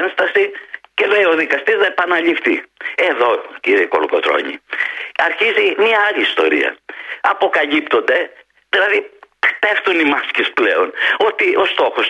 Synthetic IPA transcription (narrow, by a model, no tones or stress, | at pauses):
nst̪ɐsice̞leio̞ðikɐst̪iznɐepɐnɐʎift̪ie̞ðo̞ciɾeikoluko̞̰t̪ɾo̰ɲḭɐɾçizimiɐɐʎiːst̪o̞̰ɾḭɐ̰ɐpo̞kɐʎipt̪o̞nd̪e̞ | ðilɐðit̪e̞ft̪unimɐscesple̞o̞no̞t̪iʔo̞st̪o̞xo̞s